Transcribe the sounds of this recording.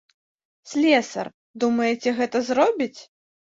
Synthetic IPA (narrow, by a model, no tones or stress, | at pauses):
sʲlʲɛsɐ̰r | d̪umɐjɛt͡sʲɛɣɛt̪ɐzrɔbʲit͡sʲ